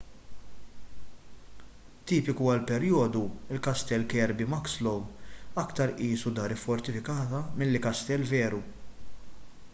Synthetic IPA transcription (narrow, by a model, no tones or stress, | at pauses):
t̪iːpɪkuɐlpɛɾjɔːd̪uɪlkɐst̪ɛlkɛːɾbimɐkslɔwɐkt̪ɐɾʔiːsud̪ɐːɾɪfːɔɾt̪ɪfɪkɐːt̪ɐmɪlːɪkɐst̪ɛlːvɛːɾu